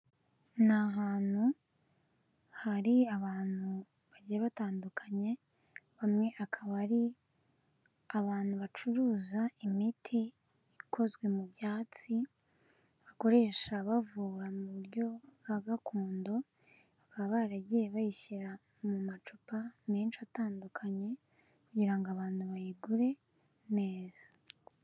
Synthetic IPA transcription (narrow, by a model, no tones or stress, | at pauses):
naɦaːn̥hu | haɾiaβaːn̥hu | βaɟiɾaβataːndukʰaɲe̞ | βamŋe̞ʔakʰaβaɾi | aβaːnhuβat͡ʃuɾuːzaimitʰiː | kʰo̞zɡwe̞mubjaːt͡si | βako̞ɾe̞ːʃaβavuːɾamuβuɾɟo̞ɡaɡakʰuːndo̞ | βakaβaβaɾaɟijeβajiçiɾa | mumat͡ʃupaneːnt͡ʃataːndukʰaɲe̞ | kuɟiɾaŋɡoaβaːn̥huβajiɡuɾe̞ | ne̞ːz̥a